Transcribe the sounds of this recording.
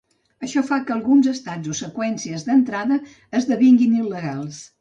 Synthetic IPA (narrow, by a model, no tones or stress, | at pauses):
əʃɔfakəlˠɣunzəst̪ad͡zosəkwɛnsiəzðənt̪ɾaðəː | zðəβiŋɡinilːəɣalˠs